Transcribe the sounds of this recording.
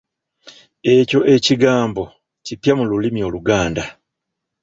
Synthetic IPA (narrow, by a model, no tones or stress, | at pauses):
e̞co̞ʔe̞ciɡaːmbo̞ | cipjamululimio̞ːluɡaːnda